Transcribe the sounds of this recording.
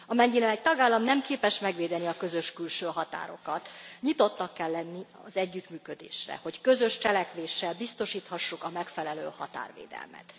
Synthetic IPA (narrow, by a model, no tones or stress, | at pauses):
ɒmɛɲːinɛmɛc̚t̪ɒɡaːlːɒmnɛmkeːpɛʃmɛɡʋeːd̪ɛniɒkø̞zø̞ʃkylʃøːɦɒt̪a̰ːɾo̞̰kɒt̪ɲit̪o̞t̪nɒkːɛlːɛnːi | ɒ̰zɛɟːyt̪myːkø̞d̪ḛːʃrɛ̰ho̞ckø̞zø̞ʃt͡ʃɛlɛkʋeːʃːɛlbist̪o̞ʃiːt̪hɒʃːukɒmɛkfɛlɛlø̰ːhɒ̰t̪a̰ːrʋḛːd̪ɛ̰lmɛ̰t̪